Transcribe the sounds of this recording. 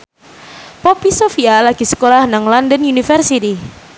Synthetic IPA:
pɔpisofialaɡ̥isə̥kolahnaŋlɔndənjunifərsit̪i

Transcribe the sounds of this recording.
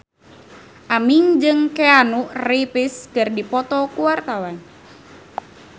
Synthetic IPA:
ʔamiŋd͡ʒɨŋkeanuʔripɪskɨrdipɔt̪ɔkuwart̪awan

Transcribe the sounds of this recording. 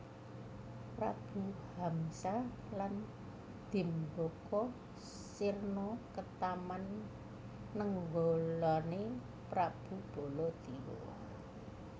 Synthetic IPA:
pɾa̰b̥ṳhamsa | lan | d̪̥i̤mbokɔ | sirnɔkət̪amanː | əŋɡolane | pɾab̥ṳb̥o̤lɔd̪̥iwɔ̰

